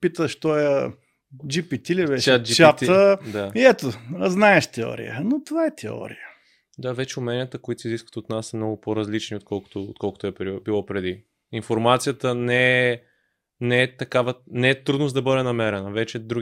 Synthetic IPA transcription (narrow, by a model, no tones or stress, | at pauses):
pit̪əʃt̪ɔə | d͡ʒipit̪ilivɛsʲad͡ʒit͡ʃat̪d̪aiɛt̪oznaɛʃt̪ɛɔ̰ɾḭjə̰not̪ovaɛt̪ʰɛ̰ɔ̰ɾḭjə | d̪avɛt͡ʃɛʊmɛnijət̪əkoit̪oiziskvət̪ot̪nasɛmnɔɡʊpoɾɐzlit͡ʃniot̪̚kɔlˠkʊ̥t̪oo̰t̪kɔlˠkʊ̥t̪ɛpɾibilˠɔpɾɛd̪i | infoɾmat̪sijət̪ənɛ | nɛɛt̪ɐkavənɛɛt̪ɾud̪nosd̪ɐbɤd̪ɛnɐmɛɾɛnəvɛt͡ʃɛd̪ɾuɡ